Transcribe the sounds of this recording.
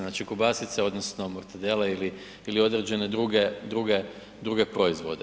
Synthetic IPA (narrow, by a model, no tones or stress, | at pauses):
naːt͡ʃikubasit̪seo̞d̪nosno̞moɾt̪ed̪eleili | ilio̞d̪ɾed͡ʑe̞ned̪ɾuɡed̪ɾuɡe | d̪ɾuɡe̞pɾo̞izʋo̞̰d̪e